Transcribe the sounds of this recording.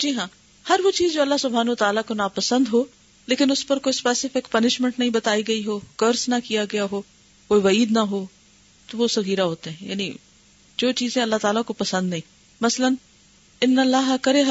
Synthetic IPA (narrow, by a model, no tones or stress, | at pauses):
d͡ʒiːɦãː | hɐɾʋot͡ʃiːzd͡ʒoːɐlːaɦsʊbʱaːnɐʋɐt̪aːlakonapɐsə̃nd̪ɦoː | leːkɪnʊspɐɾkoːispɛːsɪfɪkpɐnɪʃmẽɳʈnɐɦĩbɐt̪aːiɡɐiɦoːkəɾsnɐkijaɡɐjaɦoː | koːiʋɐiːd̪nɐɦoː | t̪oʋosɐɣiːɾaɦoːt̪eɦɛ̃ja̰ːni | d͡ʒoːt͡ʃiːzɛ̃ɐlːaɦt̪aːlakopɐsə̃nd̪nɐɦĩː | mɐsələn | ɪnːɐlːaːɦkɐɾeɦ